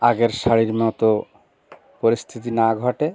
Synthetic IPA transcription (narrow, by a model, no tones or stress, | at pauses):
aɡeɾʃaɽiɾmɔt̪o | poɾist̪ʰit̪̬inaɡʱɔʈe